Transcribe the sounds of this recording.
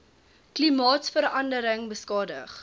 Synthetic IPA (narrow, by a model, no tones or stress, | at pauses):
klimɑːtsfəɾɐndəɾəŋbəskɑːdə̰χ